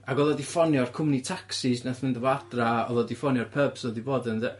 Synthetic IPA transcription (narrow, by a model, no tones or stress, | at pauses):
aɡɔðˠɔdifɔnjɔrkʰʊmnitʰaksɪsnaθmɪndɔvadraɔðˠɔdifɔnjɔrpʰəb̥sɔdiboːdənðɛ